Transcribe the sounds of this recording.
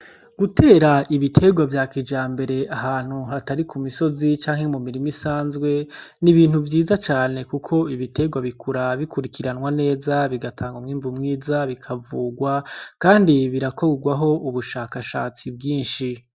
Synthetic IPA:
ɡ̥utʰe̞ːɾaʔiβitʰe̞ɡwavjaːkid͡ʒaːmbe̞ɾe̞aɦaːn̥huɦataɾikʰumiso̞zit͡ʃaːŋhe̞mumiɾimisaːnzɡwe̞niβiːn̥huvjiːzat͡ʃaːne̞kukʰo̞iβite̞ɡwaβikʰuɾaβikuɾikʰiɾanwane̞ːzaβiɡatʰaːŋɡomŋiːmvumŋiːzaβikʰavuɡwakaːndiβiɾako̞ɡwaɦo̞ʔuβuʃaːkaʃa̰ːt͡sibɡiːnʃi

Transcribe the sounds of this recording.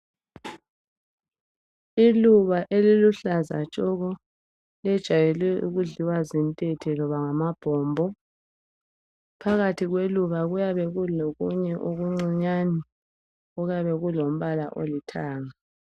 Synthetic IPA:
iluβaʔeliluɬaza̰t͡ʃʼɔɣɔ | ɛd̥ʒ̥ʱajɛlɛʔuɣuɮiwazintʼetʰɛlɔβaŋamab̥ʱɔːmbʱɔ | pʰaɣatʰiɣweluβaɣujaβɛɣuloɣuɲɛʔoɣuŋ͡ǀiɲani | ɔɣaβɛɣulom̩βalaʔolitʰaːŋa

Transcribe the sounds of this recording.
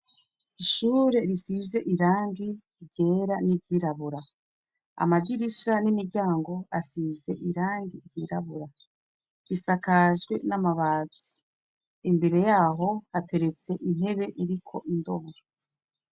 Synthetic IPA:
iʃuːɾe̞ɾisize̞ʔiɾaːŋɡi | ɾɟe̞ːɾanibɟiɾaβuɾa | a̰maɡiɾiʃanimiɾɟaːŋɡo̞asize̞ʔiɾaːŋɡiɾɟiːɾaβuɾa | ɾisakaʒɡwe̞namaβaːzi̥ | imbe̞ɾe̞jaːɦo̞hate̞ɾe̞t͡se̞ʔin̥he̞βe̞ʔiɾikʰo̞ʔindo̞βuɾo

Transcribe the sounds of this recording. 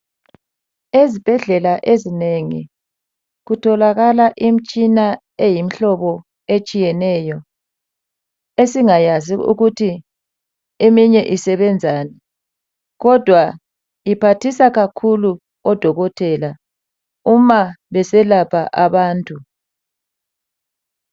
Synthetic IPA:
ezib̥ʱɛɮɛlaʔezineŋḭ | ɣutʰɔlaɣalaʔim̩t͡ʃʼina | ejim̩ɬɔβɔ | et͡ʃʼijɛnɛːjɔ | esiŋajaziṵɣutʰi | emiɲɛʔisɛβɛnd͡zʱaːnɛ | ɣɔd̥ʱwa | ipʰatʰisaɣakʰulu | ɔd̥ʱɔɣɔtʰɛla | umaβɛsɛlapʰaʔaβaːntʼu

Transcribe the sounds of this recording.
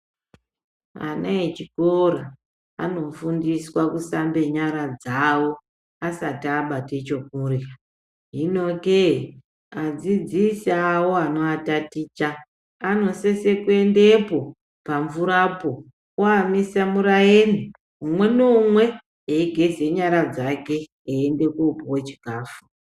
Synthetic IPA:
a̰naet͡ʃikoɾa | a̰no̞fundiswakusambe̞ɲaɾad͡zawo̞ | asatːɓatet͡ʃo̞k̚ura | ɦino̞ke | ad͡zid͡zisawoano̞atatiːt͡ʃaː | no̞sese̞kue̞ndepo̞ | paɱvuɾapo | waːmisamuɾajeni | umwe̞nomwe̞ | eiɡʱe̞zeɲaɾad͡zake̞ː | ende̞kupowe̞t͡ʃi̥kaːfu

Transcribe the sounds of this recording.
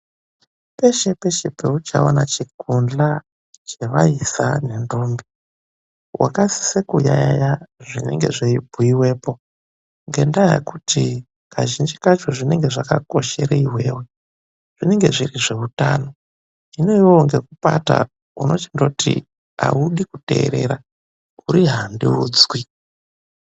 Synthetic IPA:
pe̞ʃe̞pe̞ʃe̞peut͡ʃaonat͡ʃikund͡ɮa | t͡ʃeʋaisane̞ndo̞ːmbi | wa̰kasi̥sekuja̰jajaʐine̞̰ŋɡe̞ʐeibʱuiwe̞ːpo̞ | ŋɡe̞ndajḛkutʰi | kaʒind͡ʒikat͡ʃoʐine̞ŋɡe̞ʐakako̞ʃe̞ɾeiwe̞ːwe̞ | ʐ̥ine̞ŋɡe̞ʐiriʐe̞utaːno̞ | ine̞iwoŋɡe̞kupata̰ | uno̞t͡ʃendouti | a̰uɗikute̞ːɾe̞̰ɾa | uɾiɦandiuːd͡zwi

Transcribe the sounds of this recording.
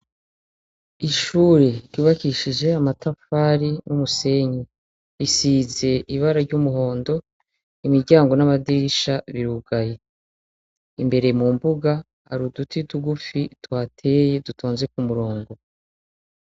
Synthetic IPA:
iʃuːɾe̞ɾɟuːβakiʃid͡ʒe̞amatafaːɾinumuse̞ɲi | ɾisiːze̞iβaɾaɾɟumuɦo̞ːndo̞ | imiɾɟaːŋɡo̞namadiʃaβiɾuɡaje̞ | imbe̞ɾe̞mumbuɡa | ha̰ɾudutʰituɡufitwaːtʰe̞je̞dutʰoːnze̞k̚umuɾoːŋɡo

